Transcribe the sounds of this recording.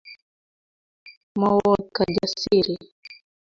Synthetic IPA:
mɔwɔkad͡ʒasiɾi

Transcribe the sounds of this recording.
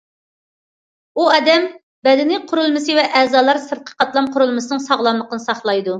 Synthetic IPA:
uɛd̪ɛm | bɛd̪ɪnɪqʰʊɾulˠmɨsɨvɛʔɛzɑːlˠɑɾsəɾqʰə̥qʰɑt̪lˠɑmqʰʊɾulˠmɨsɨnɨŋsɑʁlˠɑmlˠəqʰənɨsɑχlˠɑjd̪u

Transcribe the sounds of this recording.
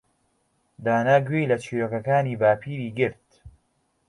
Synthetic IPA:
d̪aːnaːɡwejlɐt͡ʃʰiːɾoːkɐkaːniːbaːpʰiːɾiːɡɨɾt̪̚

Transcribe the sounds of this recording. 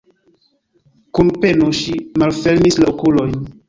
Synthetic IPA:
kunpe̞noʃimalfe̞lmislaokulo̞jn

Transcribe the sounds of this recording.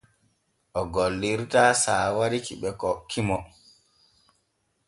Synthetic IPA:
ʔɔɡolːiɾtaːsaːwaɾikiɓɛkɔkʰːimɔ

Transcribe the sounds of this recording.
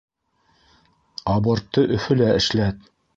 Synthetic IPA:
ɑbɤ̆ɾt̪ːɤʔɵ̆fɵlæɘ̆ʃlæt̪̚

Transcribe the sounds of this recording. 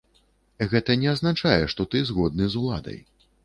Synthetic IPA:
ɣɛt̪ɐnʲɛaznat͡ʂajɛʂt̪ɔt̪ɨzɣɔd̪nɨzulˠa̰d̪ɐ̰j

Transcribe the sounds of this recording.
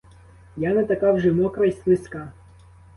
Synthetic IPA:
janɐt̪ɐkɑwʒɛmɔkɾɐjsʲsʲlˠɪskɑ

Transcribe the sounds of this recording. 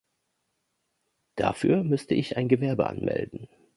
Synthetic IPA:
d̥afyːɐmʏstəʔɪçaɪnɡəvɛɐbəʔa̰nmʔɛ̰ldn̩

